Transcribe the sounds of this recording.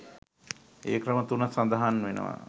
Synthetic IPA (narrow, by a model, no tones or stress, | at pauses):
eːkrəmət̪unəsand̪aɦanʋenə̰ʋa̰